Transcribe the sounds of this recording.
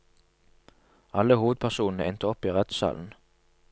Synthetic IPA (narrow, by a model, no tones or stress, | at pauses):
ɑləhuːʋəd̪̚pʰæʁsuːnn̩əɛnt̪əɔpiːʁɛt̪sɑ̰ːln̩